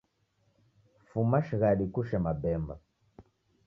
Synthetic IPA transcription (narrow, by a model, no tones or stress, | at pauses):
fumaʃiɣaɗikuʃɛmabɛmba̰